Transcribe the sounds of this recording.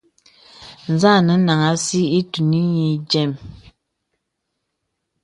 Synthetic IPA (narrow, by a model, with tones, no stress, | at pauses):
n̩˨za˦˨nə˨˦na˨ŋa˨si˦i˦tu˨ni˦ɲi˨d͡ʒɛ˦˨m